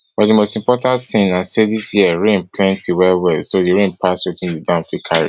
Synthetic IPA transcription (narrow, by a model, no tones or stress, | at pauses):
b̥ɔimostĩmpɔtãntθĩŋãnseðisjiəɹẽnpʰlɛ̃ntʰiwɛlwɛlsodiɹẽnpʰaswitĩndidãʊ̃nfikʰaɹḭ